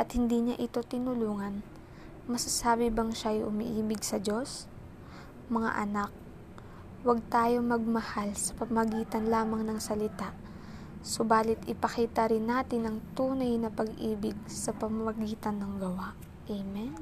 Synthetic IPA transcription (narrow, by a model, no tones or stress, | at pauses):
ʔɐt̪̚hɪnd̪iɲaʔɪt̪o̞t̪ɪnʊluːŋɐn | mɐsɐsaːbɪbɐŋʃaʔjʔʊmɪ̰ʔiːbɪɡsɐd͡ʒo̞s | mɐŋa̰ʔɐnak̚ | wɐɡ̚t̪aːjo̞mɐɡ̚mɐhalsɐ̥pɐmɐɡiːt̪ɐnlaːmɐŋnɐŋsɐlɪt̪aʔ | sobaːlɪt̪ʔɪpɐkiːt̪ɐɾɪnːaːt̪ɪnɐŋt̪uːnɐjnɐpɐɡʔiːbɪɡ̚sɐpɐmɐmɐɡiːt̪ɐnːɐŋɡɐwaʔ | ʔejmɛn